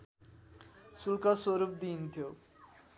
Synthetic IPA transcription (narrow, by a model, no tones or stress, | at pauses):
sulkɔsoɾup̚d̪int̪ʰijo